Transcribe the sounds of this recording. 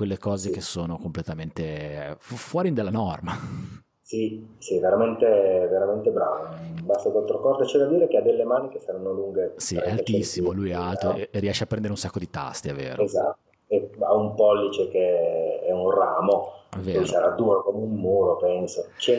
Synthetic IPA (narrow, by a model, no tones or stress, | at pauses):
kwelːekɔːzek̟esːoːnokomplet̪ament̪effwɔːɾind̪elːanɔrma | sisiveɾament̪eveɾament̪ebɾaːvonmmbast̪ak̪walt̪ɾokɔrd̪ot͡ʃɛd̪ad̪iːɾekead̪ːelːemaːnik̟esaɾanːoluŋɡesiɛalet͡ʃ̪isːimolujɛalt̪oerːiɛʃːeapːɾɛnd̪eɾeunsakːod̪it̪a̰st̪iɛvːḛːɾoeza̰t̪ːo | ea̰umpɔlːit͡ʃekeɛunraːmoɛvːeːɔjsaɾad̪uːɾokomeumːuːɾopɛnsot͡ʃɛ